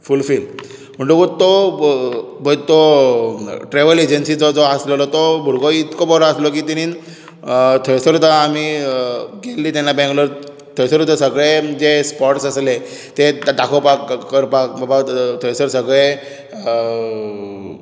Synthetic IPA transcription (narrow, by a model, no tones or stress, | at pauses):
fulfil | m̤əɳʈukot̪o | bʱət̪o | ʈɾeʋəled͡ʑənsid͡zɔd͡zɔasləlɔt̪ɔbʱuɾɡoit̪kobɔɾɔaslok̬iːt̪inin | t̪ʰɔɭesəɾut̪aami | ɡelːiːt̪anːabɛ̃ŋɡləɾ | t̪ʰɔjsəɾut̪asəɡɭed͡zespɔʈsəsle | t̪ed̪akʰopakːəɾpakbabat̪ʰɔɭesəɾsəɡɭe